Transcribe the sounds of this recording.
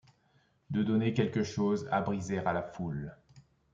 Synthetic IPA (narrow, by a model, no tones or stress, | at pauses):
d̪əd̪ɔnekʲɛlkəʃoza̰bʁizeʁalaful